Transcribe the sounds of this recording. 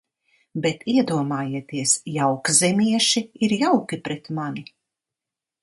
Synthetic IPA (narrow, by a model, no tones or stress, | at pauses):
bɛt̪iɛd̪uɔmaːjiɛt̪iɛsjawkzɛmʲiɛʃiiɾjawkipɾɛt̪mani